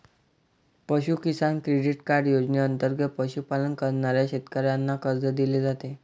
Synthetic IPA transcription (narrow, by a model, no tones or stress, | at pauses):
pəɕukisankɾeɽiʈkaɾɖjod͡zneənt̪əɾɡət̪̚pəɕupalənkəɾɳaɾjaɕet̪kəɾjanːakəɾd͡zəd̪iled͡zat̪e